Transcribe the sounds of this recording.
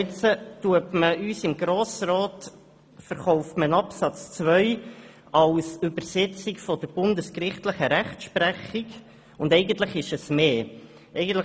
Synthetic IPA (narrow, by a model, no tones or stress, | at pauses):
t͡sətuəpməyːsɪmɡɾoːsrɔːt | fəɾχɔʊftmənɑpsɑt͡st͡svœʏ | ɑlsʏbəɾsɛt͡sikfɔd̥əb̥ʊndəskrɪχtləχəɾæχtʃpɾæχiɡ | ʊndɛɪɡəntləχɪʃəsmeː | ɛɪɡən̩tl